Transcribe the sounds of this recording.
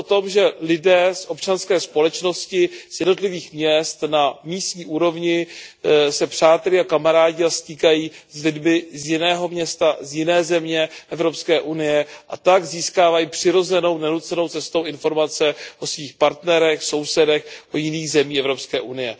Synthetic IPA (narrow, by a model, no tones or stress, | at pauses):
ot̪o̞mʒɛlɪdɛːsʔo̞pt͡ʃanskɛːspo̞lɛt͡ʃno̞scɪz̥jɛdno̞t̪lɪviːxmɲɛst̪namiːst̪ɲiːʔuːɾo̞vɲɪ | sɛpr̝̥aːt̪ɛlɪakamaɾaːɟɪast̪iːkajiːzlɪdmɪzjɪnɛːɦomɲɛst̪azjɪnɛːzɛmɲɛʔɛvɾo̞pskɛːʔunɪjɛʔa̰t̪aɡziːskaːvajiːpr̝̥ɪɾo̞zɛno̞wnɛnut͡sɛno̞wt͡sɛst̪owʔɪnfo̞ɾmat͡sɛʔo̞sviːxpaɾt̪nɛɾɛxso̞wsɛdɛxʔojɪniːɣzɛmiːɛvɾo̞pskɛːʔunɪjɛ